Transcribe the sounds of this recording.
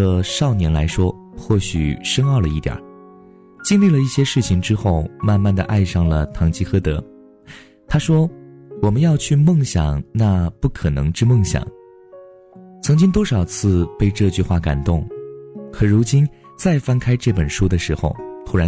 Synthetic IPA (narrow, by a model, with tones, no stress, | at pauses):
ə˧ʂɑ˥˩ʊnjɛ˧˥nla˧˥ɪʂwɔ˥ | xwɔ˥˩ɕy̰˨˩ʂɤ˥ŋɑ˥˩ʊlə˩i˥˩jɐ̰˨˩˦ | t͡ɕi˥˧nli˥˩lə˩i˥˩ɕjɛ˥ʂɻ̩˥˩t͡ɕʰi˨˩ŋʈ͡ʂɻ̩˥xo˥˧ʊma˥˧nma˥˩nd̪ə˩ʔa˥˧ɪʂɑ˥˩ŋlə˩t̪ʰɑ˧˥ŋt͡ɕi˥xɤ˥t̪ɤ˧˥ | t̪ʰa˥ʂwɔ˥wɔ˨˩mə˦njɑ˥˧ʊt͡ɕʰy˥˧mɤ˥˩ŋɕjɑ̰˨˩ŋna˥˧pu˥˩kʰɤ˨˩nɤ̰˧˥ŋʈ͡ʂɻ̩˥˧mɤ˥˩ŋɕjɑ̰˨˦ŋ | t͡sʰɤ˧˥ŋt͡ɕi˥ŋt̪wɔ˥ʂɑ˨˩ʊt͡sʰɹ̩˥˧pe˥˧ɪʈ͡ʂɤ˥˧t͡ɕy˥˧xwa˥˩ka̰˨˩nt̪ʊ˥˩ŋkʰɤ˨˩ɻu˧˥t͡ɕi˥n | t͡sa˥˩ɪfa˥nkʰa˥ɪʈ͡ʂɤ˥˩pə˨˩nʂu˥d̪ə˨ʂɻ̩˧˥xo˧ʊt̪ʰu˧˥ɻa˧˥